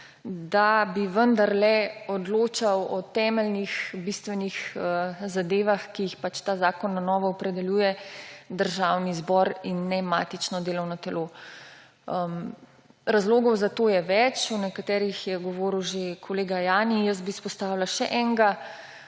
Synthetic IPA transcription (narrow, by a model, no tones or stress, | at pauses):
d̪abiʋənd̪aɾlɛɔd̪loːt͡ʃawɔt̪ɛmɛlnixbist̪ʋɛnixəzad̪eːʋaxkijixpat͡ʃt̪aːzaːkɔnːanɔːʋɔːpɾɛd̪ɛljuːjɛd̪əɾʒawnizbɔɾinːɛmaːt̪it͡ʃnɔd̪eːlɔwnɔt̪ɛloː | m | ɾazloːɡɔwzat̪oːjɛʋɛt͡ʃunɛkat̪ɛːɾixjɛɡɔʋoːɾiwʒekʰɔleːɡajaːnijəs̚bispɔst̪aːwlaʃɛ̰ʔɛŋɡa